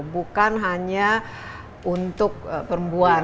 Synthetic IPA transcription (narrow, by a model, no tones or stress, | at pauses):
bukanɦaɲa | unt̪ʊk̚pəɾəmbua